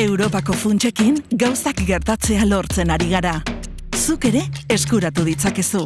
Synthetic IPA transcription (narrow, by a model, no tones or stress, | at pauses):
e̞wɾo̞pako̞funt͡ʃe̞kiŋɡawsakɡe̞ɾt̪at͡se̞alo̞ɾt͡se̞naɾiɣ̞aɾa | suke̞ɾe̞ːskuɾat̪uð̞it͡sake̞su